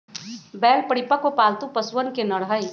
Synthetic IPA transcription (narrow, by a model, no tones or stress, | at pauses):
bɛːlpəɽɪpəkʋopaːlt̪upɐsʋənkenɐɽɦəj